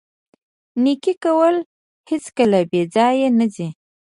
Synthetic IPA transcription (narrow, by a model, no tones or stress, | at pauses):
nikikawəl | hɪskəlabed͡zɑjenəzi